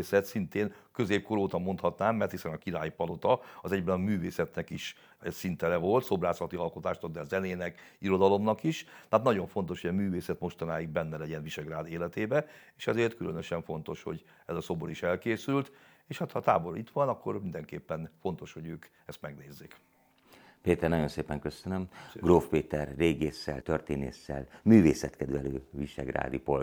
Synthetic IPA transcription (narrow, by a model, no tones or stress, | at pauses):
sɛt̪sint̪eːnkøzeːp̚koɾoːt̪ɒmo̞nt̪hɒt̪naːmːɛrt̪hisɛnɒkiɾaːjpɒlo̞t̪ɒɒzɛɟbɛnɒmyːveːsɛt̪nɛkiʃ | sint̪ɛlɛvo̞lt̪so̞braːsɒt̪iɒlko̞t̪aːʃt̪ɒkd̪ɛzɛneːnɛkiɾo̞d̪ɒlo̞mnɒkiʃt̪aːt̪nɒɟo̞ɱfo̞nt̪o̞ʃhojɒmyːveːsɛt̪mo̞ʃt̪ɒnaːjiɡ̚bɛnːɛlɛɟɛnviʃɛɡraːd̪eːlɛt̪eːbɛeːʃɛzeːrt̪kylønøʃɛɱfo̞n̪t̪o̞ʃho̞̰ɟ | ɛzɒsoːboniʃɛlkeːsylt̪ | eːʃhat̪hɒt̪a̰ːbo̞ɾit̪ʋɒnɒkːo̞rmind̪ɛŋkeːpːɛnfo̞n̪t̪o̞ʃho̞ɟøːk | ɛst̪mɛɡneːzːeːk | peːt̪ɛrnɒjo̞nseːpɛŋkøsønømɡroːfpeːt̪ɛrːeːɡeːsːɛ̰lt̪ørt̪eːnḛːsːɛ̰lmyːveːsɛt̪kɛd̪ʋɛløːviʃɛɡra̰ːd̪ipol